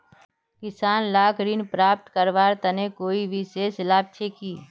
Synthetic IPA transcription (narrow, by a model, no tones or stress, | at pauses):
kɪsaːnlaːkɾiːnpɾaːp̚ʈ̪kəɾʋaːɾt̪ɐnekoːibʱisesɪlaːb̚t͡ʃʰekiː